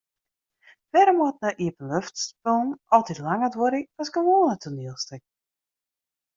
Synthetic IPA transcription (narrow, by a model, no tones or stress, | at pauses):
fɛɾəmɔt̚naʔiəpənløftspəlˠnɔlˠtitlaŋətʋoɾiʋɔskənʋoːnətʰuniəlˠstək̚